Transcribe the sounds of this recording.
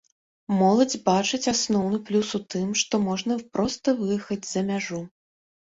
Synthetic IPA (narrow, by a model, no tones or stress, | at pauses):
mɔlˠɐd͡zʲbat͡ʂɨt͡sʲasnɔwnɨplʲusut̪ɨmʂt̪ɔmɔʐnɐpɾɔst̪ɐvɨjɛxɐd͡zʲzɐmʲaʐu